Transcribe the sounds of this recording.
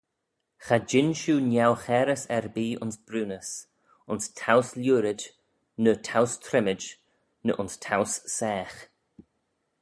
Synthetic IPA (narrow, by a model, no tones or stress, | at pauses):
xad͡ʒɪnʃuːnjawxɛːɾəsɛɹbiːʔʊ̰nsb̥ɾuːnəs | ʊnstʰawsljuːɾɪd͡ʒ | nətʰawst̪ʰɾɪmɪd͡ʒ | nə̰ʔʊnstʰawssɛːx